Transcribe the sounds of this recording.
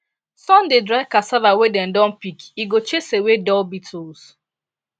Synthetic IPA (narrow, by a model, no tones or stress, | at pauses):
sɔ̃n̩dedɾaɪkasavawedɛn̩dɔ̃n̩pikiɡot͡ʃesewedɔlbitʰols